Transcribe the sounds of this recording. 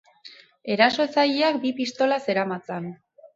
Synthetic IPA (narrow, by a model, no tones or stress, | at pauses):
e̞ɾaso̞t͡sajiak̚bipist̪o̞lase̞ɾamat͡san